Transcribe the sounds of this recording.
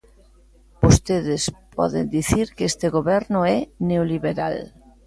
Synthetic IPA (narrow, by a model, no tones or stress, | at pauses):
bost̪eðɪspɔ̰ðḛnd̪iθiɾkest̪ɪɣoβɛɾnʊɛneoliβeɾal